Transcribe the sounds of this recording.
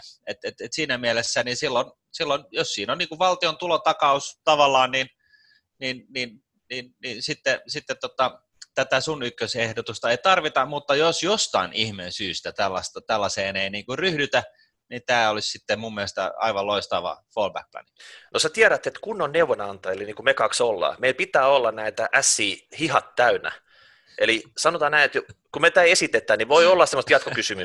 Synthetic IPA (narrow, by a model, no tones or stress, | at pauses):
et̪et̪et̪siːnæmielesːæninsilːon | silːonjossiːnonniːkuʋʋɑlt̪iont̪ulot̪ɑkɑust̪ɑʋɑlːɑːnnin | ninnin | ninninsit̪ːesit̪ːet̪ːot̪ɑ | t̪æt̪æsunykːøsehdot̪ust̪ɑeit̪ɑrʋit̪ɑmut̪ːɑjosjost̪ɑ̰inihmensyːst̪æt̪ælːɑst̪ɑt̪ælːɑseːneiniːŋkuryhdyt̪æ | nit̪æːolissit̪ːemmumːielest̪æ̰ɑ̰iʋɑloist̪ɑʋɑ̰foːlbæ̰k̚lɑ̰ninosæt̪iæɾæt̪et̪kunːonneuʋonɑnt̪ɑeliniːkumekɑksolːɑ̰ːmeilpit̪æːolːɑnnæit̪æʔæsːiːhihɑt̪tæynæ̰ | ʔelisɑnot̪ɑːnnæiet̪jokumet̪æiesit̪et̪ːˑæːniʋoiolːɑsemːost̪jɑt̪̚kokysymy